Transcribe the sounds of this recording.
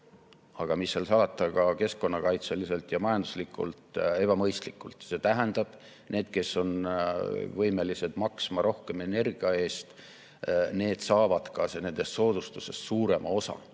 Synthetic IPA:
ɑɡ̥ɑmisːelsɑːɑt̪ːˑɑkɑke̞sko̞nːɑkɑjt̪seliselt̪jɑmɑjɑnd̪̥u̥slikːˑṵlt̪ˑe̞b̥ɑmɤjst̪likːˑult̪ˑse̞t̪æɦend̪̥ɑb̥ | ne̞ːd̪̥ke̞sːo̞n | vɤjme̞lise̞d̪̥mɑksmɑɾo̞hke̞me̞ne̞rɡ̥iɑe̞ːst̪ | ne̞ːd̪̥sɑːvɑd̪̥kɑsene̞nd̪̥e̞st̪so̞ːd̪̥ust̪use̞ssuːɾe̞mʔɑo̞sɑ̰

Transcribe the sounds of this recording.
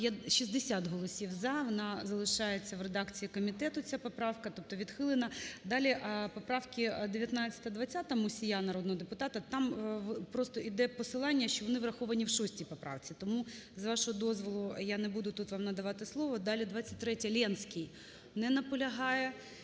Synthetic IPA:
jaʃizd̪esʲat̪ɦɔlˠɔsʲiwzɐʋɔnɑzɐlˠɪʃɑjet͡sʲːɐʋred̪ɑkt͡sʲijikɔmʲit̪ɛt̪ʊt͡sʲapɔpɾɑwkɐt̪ɔp̚t̪ɔʋʲid̪xɪlˠɪnɐd̪ɑlʲiʔpɔpɾɑwkʲɪd̪eʋʲjɐt̪nɑt͡sʲːɐ̥t̪ɐd̪ʋɐtt͡sʲːat̪ɐmʊsʲijanɐɾod̪nɔɦɔd̪epʊt̪ɑt̪ɐt̪ɑmpɾɔst̪ɔʔid̪ɛpɔsɪlˠɑnʲːɐʃt͡ʃɔʋɔnɪʋrɐxɔʋɐnʲiwʃɔsʲtʲipɔpɾɑ̰wt͡sʲit̪ɔmuzʋɑʃɔɦɔd̪ɔzʋɔlˠʊjanebud̪ʊt̪ut̪ʋɑmnɐd̪ɐʋɑt̪ɪslˠɔʋɔd̪ɑlʲid̪ʋɑt͡sʲːɐ̥t̚ʲt̪ɾɛtʲɐlʲɛnsʲkʲɪj | nɛnɐpɔlʲɐɦɑjɛ

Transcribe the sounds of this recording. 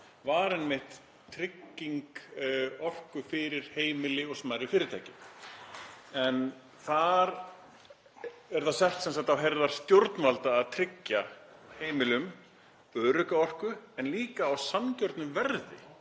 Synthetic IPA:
vaɾɛnmɪht̪ | t̪ʰːɾɪcːiŋk | ɔr̥kʏfɪɾɪɾ̥heːjmɪlɪɔɣsmajɾɪfɪːɾɪt̪ʰajcɪm | ɛn | θaɾ | ɛɾθaðsɛht̪sɛnsat̪θawɦɛɾðaɾ̥st̪joɾt̪nvalt̪aːðt̪ʰɾɪcːaheːjmɪlʏm | œːɾʏkaɔr̥kʏɛnliːkaːwsamcœɾt̪nʏmvɛɾðɪ̰

